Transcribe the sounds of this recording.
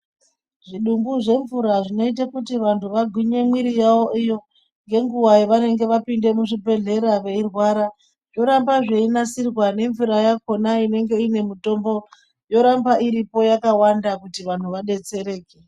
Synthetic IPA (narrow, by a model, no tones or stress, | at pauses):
ʐiɗumbuʐe̞ɱvuɾaʐino̞it̬akutiʋantʰuʋaɡʱwiɲe̞mwiɾijawo̞ʔijo̞ | ŋɡe̞ŋɡuwaiʋane̞ŋɡe̞ʋapinde̞muʐibʱe̞ɮe̞ɾaʋe̞irwaɾa | jo̞ɾambaʐeinasirwane̞ɱvuɾajako̞naine̞ŋɡe̞ine̞mito̞mbo̞ | jo̞ɾambaʔiɾipo̞jakawandakutiʋan̤uʋaɗe̞t͡se̞ɾe̞ːke